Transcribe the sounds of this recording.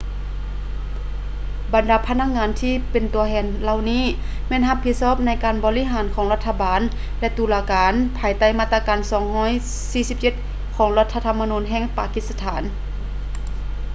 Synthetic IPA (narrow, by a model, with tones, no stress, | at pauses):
ba˨ndaː˨˦pʰa˧˥na˧˥k̚ŋaː˧˥nt̪ʰiː˧˥˨pe˨nt̪u˨˩ɐhʰɛː˧nla˧˨wniː˧˥˨ | mɛː˧˥˨nɦa˧pʰi˧˥t̪̚sɔː˧˥˨p̚na˧˥jkaː˨nbɔː˧˨li˧˥ɦaː˨˦nkʰɔː˨˦ŋla˧t̪ʰːa˧baː˨˦n | lɛ˧˥t̪uː˨˩laː˧kaː˨˧˦npʰaː˨˩jt̪a˧˩jmaː˧t̪a˧kaː˨˩nsɔː˨˩˦ŋhɔː˧˥˨j | siː˧si˧˥p̚t͡ɕe˧t̪̚ | kʰɔː˩˦ŋla˧t̪ʰːa˧t̪ʰa˧mːa˧nuː˧˥nɦɛː˧˩˨ŋpa̰ː˧ki˧˥t̪̚sa˧t̪ʰaː˩˦n